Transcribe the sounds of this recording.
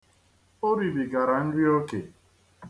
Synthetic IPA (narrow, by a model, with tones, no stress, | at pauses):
o˦ɾi˨bi˨ɡa˨ɾa˨n̩˦di˦o˦kḛ˨